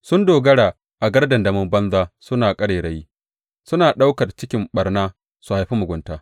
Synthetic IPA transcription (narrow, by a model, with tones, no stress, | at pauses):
sʊ˦ndoː˨ɡɐ˦ɽaː˨ | ʔa˨ɡɐ˦rdɐ˨ndɐ˨mʊ˦mbɐ˦nzaː˦sʊ˦naː˨kʼɐ˦ɽeː˨ɽɐ˦jiː˦ | sʊ˦naː˨ɗa˦wkɐ˨rt͡ʃɪ˦kʲɪ˦mɓɐ˨rnaː˦ | su˨ha˨jɸi˦mʊ˨ɡʷʊ˦ntaː˦